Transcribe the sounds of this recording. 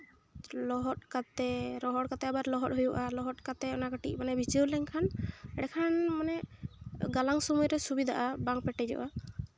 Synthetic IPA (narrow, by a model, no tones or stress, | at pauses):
lɔɦɔt̪̚kat̪ɛɾɔɦɔʈ̚kat̪ɛabaɾlɔɦɔt̚ɦujuʔalɔɦɔt̪̚kat̪ɛɔnaɡəʈic̚ˀmanɛbʱit͡ʃiwlɛŋkʰanɛɽɛkʰanmanɛ | ɡalaŋsɔmujɾɛsubid̪aʔabaŋpɛʈɛd͡ʒɔ̰ʔa